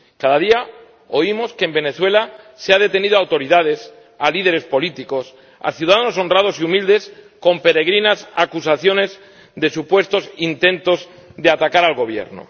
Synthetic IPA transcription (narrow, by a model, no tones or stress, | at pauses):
kaðaðia | o̞imo̞ske̞ːmbe̞ne̞θwe̞laseað̞e̞t̪e̞niðoawt̪o̞ɾiðað̞e̞s | alið̞e̞ɾe̞spo̞lit̪iko̞s | a̰θjuðaðano̞so̞nrað̞o̞siumild̪e̞s | ko̞mpe̞ɾe̞ɣ̞ɾinasakusaθjo̞ne̞z | ðe̞supwe̞st̪o̞sint̪ẽ̞nt̪o̞zðeat̪akaɾalɣo̞β̞je̞̰ɾno̰